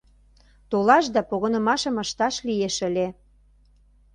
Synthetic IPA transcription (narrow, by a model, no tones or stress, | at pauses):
t̪olɑʃd̪ɑpoɣɤ̆nɤ̆mɑʃə̆mə̆ʃt̪ɑʃlijeʃə̆lʲe